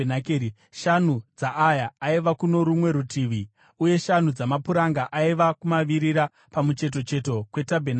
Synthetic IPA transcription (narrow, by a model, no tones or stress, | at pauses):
nakei | ʃan̤ud͡zaʔːjaːiʋakuno̞ɾumwe̞ɾutʰiʋi | uje̞ʃan̤ud͡zamapuɾaŋɡaʔaiʋakumaʋiɾiɾa | pamut͡ʃe̞t̬o̞t͡ʃe̞to̞kwe̞tabʱena